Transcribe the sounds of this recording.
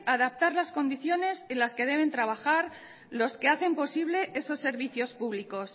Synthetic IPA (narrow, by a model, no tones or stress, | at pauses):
aðap̚t̪aɾlasko̞nd̪iθjo̞ne̞se̞nlaske̞ð̞e̞β̞e̞nt̪ɾaβ̞axaɾ | lo̞ske̞aθe̞mpo̞siβle̞ʔe̞so̞sːe̞ɾβiθjo̞spuβliko̞s